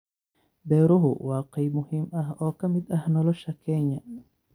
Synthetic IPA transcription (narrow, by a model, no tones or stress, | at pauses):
bɛːɾʊɦʊ̰waːqɛjmʊhiːmɐɦɔːkʰɐmɪd̪ɐhnɔlɔʃɐkʰɛɲːɐ